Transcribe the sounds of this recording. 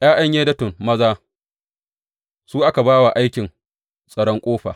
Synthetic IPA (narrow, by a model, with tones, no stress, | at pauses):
ʔj̰aː˦ʔɐ˦ɲjeː˦dɐ˦tʊ˨nmɐ˦zaː˦ | suː˦ʔa˦ka˨baː˦wa˨ʔa˦jkʲɪ˨ŋ | sʼɐ˨ɽɔ˦ŋkʷʼoː˦ɸa̰ː˨